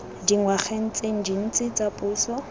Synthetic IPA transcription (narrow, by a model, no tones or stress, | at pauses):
diŋwaχen̩t͡sʼeŋ̩d͡ʒin̩t͡sʼɪt͡sʼapʼuːsɔ